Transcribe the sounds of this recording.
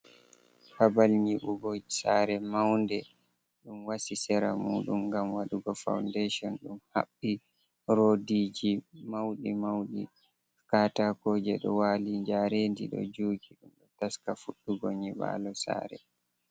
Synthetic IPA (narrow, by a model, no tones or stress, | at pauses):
habalɲiɓuɡɔsaːɾɛmawndɛ | ɗumwasisɛɾa̰muːɗumɡamwaɗuɡɔfa̰wndeʃɔnɗumha̰ɓːi | ɾodid͡ʒimawɗimawɗḭ | kaːtakoːd͡ʒɛɗɔ̰waːliɲd͡ʒaɾendiɗɔ̰d͡ʒuːɡiɗumɗɔtaskafuɗːuɡɔɲiɓa̰ːlɔsa̰ːɾɛ̰